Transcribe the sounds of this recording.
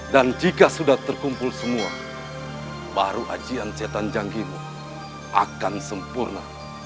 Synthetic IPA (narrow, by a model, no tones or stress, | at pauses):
dand͡ʒikasudaht̪ərkumpʊlsəmua | baɾuʔa̰d͡ʒiansiat̪and͡ʒaŋɡimu | ʔa̰kansəmpurna